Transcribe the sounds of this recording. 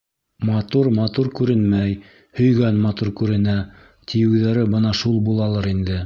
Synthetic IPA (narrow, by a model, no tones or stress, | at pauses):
mɑt̪uɾmɑt̪uɾkʉɾɘnmæj | hɵ̆jɡænmɑt̪uɾkʉɾɘ̆næ | t̪ijɘ̆wðæɾɘbɤnɑʃulˠbulˠɑlˠɤɾind̪ɘ